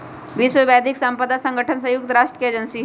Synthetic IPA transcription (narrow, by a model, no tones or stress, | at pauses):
ʋisʋəʋad̪ʱiksəmpəd̪asəŋɡəʈʰəns̬ə̃juk̚t̪ɾaʂʈed͡ʑənsi